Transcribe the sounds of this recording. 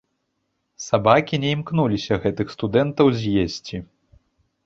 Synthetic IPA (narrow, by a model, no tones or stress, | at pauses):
sabakʲinʲɛimknulʲisʲɐɣɛt̪ɨxst̪ud̪ɛnt̪ɐwzʲjesʲt͡sʲi